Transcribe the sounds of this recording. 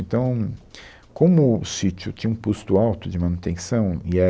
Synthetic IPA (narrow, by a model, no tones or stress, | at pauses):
ẽnt̪ɐ̃w̃ | kõmʊsit͡ʃʊt͡ʃĩɲɐũpust̪ʊawt̪ʊd͡ʒɪmãnut̪ẽsɐ̃w̃iɛ